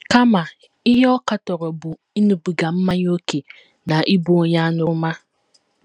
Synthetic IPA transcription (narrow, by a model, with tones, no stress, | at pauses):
ka˦ma˨ | ɪ˦ɦe˦ɔ˦ka˨tɔ˨ɾɔ˨bʊ˨ | i˦nu˨bu˨ɡa˨m̩˦ma˦ɲ˦o˦ke˨ | na˨ʔi˦bu˦o˨ɲa˦nʊ˦ma˦